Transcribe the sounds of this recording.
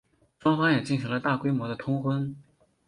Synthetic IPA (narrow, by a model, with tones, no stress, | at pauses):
ʂwɑ˥ŋfɑ˥ŋjɛ˨˩t͡ɕi˥˩nɕi˧˥ŋlə˧t̪a˥˩kwe˥ɪmwɔ˧˥d̪ə˧t̪ʰʊ˥ŋxwə˥n